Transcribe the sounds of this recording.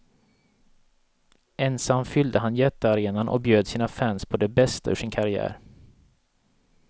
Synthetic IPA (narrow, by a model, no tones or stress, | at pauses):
ɛnsamfʏld̪əɦanjɛt̪ːəaɾeːnanʔɔ̰k̚bjøːd̪siːnafænspʰɔd̪ɛbɛst̪aɵʂɪnkʰaɾɪæ̰ːɾ